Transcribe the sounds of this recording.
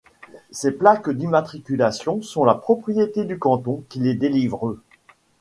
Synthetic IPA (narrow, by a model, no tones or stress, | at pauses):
seplakd̪imat̪χikʲylasjɔ̃sɔ̃lapχɔpχijet̪ed̪ykɑ̃t̪ɔ̃kʲiled̪elivʁø